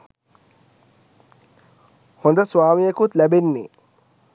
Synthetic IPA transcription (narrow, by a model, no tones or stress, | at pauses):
hond̪ɐsʋaːmijɐkut̪lɛbenːḛ